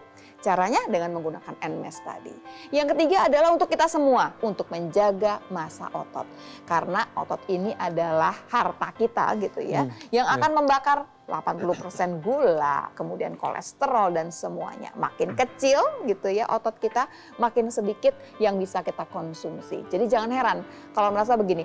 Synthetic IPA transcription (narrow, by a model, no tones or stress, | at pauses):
t͡ʃaɾaɲadəŋanməŋɡunakanɛnmɛ̰st̪a̰dḭjaŋkət̪iɡaːdalahɦunt̪ʊkːit̪asəmuaunt̪ʊk̚məɲd͡ʒaɡamasa̰ʔot̪ɔ̰t̪̚kaɾənaʔo̰t̪ɔt̪̚iniʔadalahːart̪akit̪a̰ɡit̪uja̰jaŋakanməmbakar | la̰panpulupərsɛnɡula̰kəmudia̰nko̰lɛ̰st̪əɾɔldansəmua̰ɲa̰ma̰kɪnkət͡ʃɪlɡit̪uja̰ʔot̪ɔt̪̚kit̪a | makɪnsədikɪt̪̚ | jaŋbisakit̪akɔnsumsḭd͡ʒadid͡ʒaŋanɦeɾan | kalawməɾas̬abəɡini